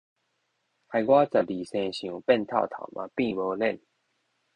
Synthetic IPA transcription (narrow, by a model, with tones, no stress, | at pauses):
ha˨˩jɡwa˦t͡sə˨˩li˨˩sẽ˧ɕĩ˨ũ˨pɛ˥˧˨nt̪ʰa̰˥˧˨t̪ʰa̰˨˩ʊmʔa̰˨˧pĩ˥˧˨bo˧lɛ˥˧˨n